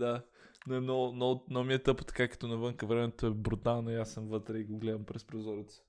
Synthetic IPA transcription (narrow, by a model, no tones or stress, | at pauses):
d̪a | nɛnonɔnomiɛt̪ɤpə̥t̪ɐ̥kakɐ̥t̪ɔnɐvɤŋkəvɾɛmɛt̪oɛbɾut̪alˠnɐiasːəmvɤt̪ɾɛiɡoɡlɛd̪əmpɾɛspɾozɔɾɛt̪sə̥